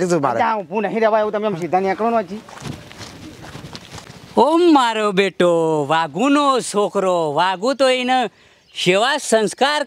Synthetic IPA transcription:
it̪uma̰ɾãũpunɐɦĩɾeʋajut̪ɐmjɐmʃid̪ɐnijɐkɽonot͡ʃi | omːaːɾobeːʈoʋaːɡunosoːkʰɾoʋaːɡut̪oinɐ | ʃeʋaːsɐnskaːɾ

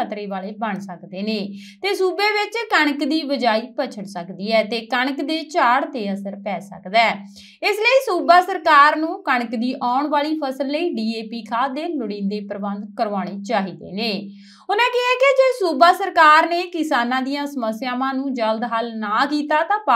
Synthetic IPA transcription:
ət̪ɾeːʋaːleːbəɳsəkd̪eːneː | t̪eːsuːbeːʋɪt͡ʃkəɳ̃əkd̪iːbəd͡ʒaːiːpət͡ʃʰəɽsəkd̪iːɛːt̪eːkəɳ̃əkd̪eːt͡ʃaːɽt̪eːəsəɾpɛːsə̰kd̪ɛː | ɪsləiːsuːbaːsəɾkaːɾnũːkəɳəkd̪iːʔaːʊɳʋaːɭiːpʰəsəlːəiːɖiːeːpiːkʰaːd̪eːlʊɽɪ̃ːnd̪eːpɾəbənd̪kəɾʋaːɽ̃eːt͡ʃaːɦiːd̪ḛːneː | ʊnɛ̃ːkɪɛːkeːd͡ʒeːsuːbaːsəɾkaːɾneːkɪsaːnãːd̪ijãːsəməsjaːmãːnũːd͡ʒəld̪ɦalnaːkiːt̪aːt̪ãːpa

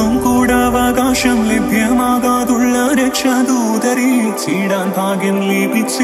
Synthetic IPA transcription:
umkuːɽɐʋɐɡaːʃɐmlibʱjɐmaːɡaːd̪uɭːɐɾɐkʂɐd̪uːd̪ɐɾisiːɽɐːnt̪aːɡɐmliːpis

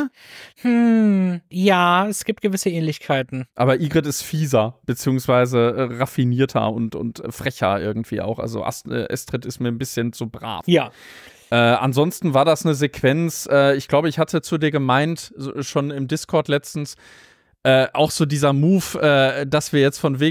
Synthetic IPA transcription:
hm̩ | jaːɛsɡ̥iːp̚t̚ɡ̥əvɪsəʔɛːnlɪçkʰaɪtn̩ʔaːbɐʔiːɡʁɛtɪstfiːzɐb̥ət͡siːʊŋsv̥aɪzəʁafiniːɐtʰɐ̰ʊntʊ̰ntʔfʁ̥ɛçɐ̰ʔɪɐɡŋ̩tv̥ḭːʔa̰ʊxʔa̰lzo̰ʔa̰sɛ̰ːʔɛ̰stʁ̥ɪtɪstmiːɐnbɪsçənt͡suːbʁa̰ːfjaː | ʔɛːʔa̰nzɔnstn̩vaːɐdasnəzekʰv̥ɛnt͡sʔɛːɪçɡ̥laʊbəɪçhatət͡sudiːɐɡəmaɪntzʃoːnɪmdɪskʰɔɐtlɛt͡stn̩s | ʔɛːʔaʊxz̥oːdiːzɐmuːfʔɛːd̥asv̥iːɐjɛt͡stfɔnveː

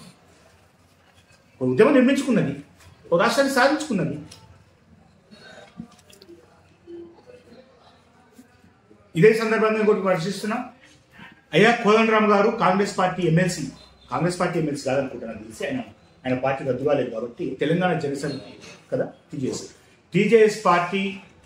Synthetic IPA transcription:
oud̪jɐmɐmniɾmiɲt͡ʃu̥kunːɐd̪i | okaːst̪aːnːisaːd̪ʱiɲt͡ʃu̥kunːɐd̪i | id̪eːsɐnd̪ɐɾbʱɐŋɡaːnkoʈiɐɾɐʃ̬ist̪unːaː | ɐjːaːkʰoːlɐnɾaːmɡaːɾukaːŋɡɾe̞ːspaːɾʈiːemːelsi | kaːŋɡɾe̞spaːɾʈ̬iːemelsiːkaːd̪ɐnukuːʈːɐnɐt̪ilisiaːjnɐ | aːjnɐpaːɾʈːiːk̪ɐd̪uɾʋaːled̪ɡaɾɐt̪ːit̪ɛlɐŋɡaːɳɐd͡ʒɛnɐseːnkɐd̪aːʈiːd͡ʒejes | ʈiːd͡ʒeːespaːɾʈiː

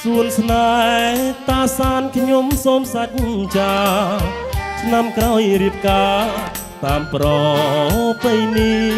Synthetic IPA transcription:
suənsna | t̪aːsaːnkʰɲomsoːmsac̚t͡ɕaː | sʰnamkraɔjɾiəp̚kaː | t̪aːmprɑ | pejniː

